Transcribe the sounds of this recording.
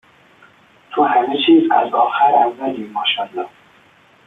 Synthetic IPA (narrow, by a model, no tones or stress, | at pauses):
t̪ʰohæmet͡ʃʰiːzæ̰zɒːxæɾævːæliːmɒːʃænd̪ɒ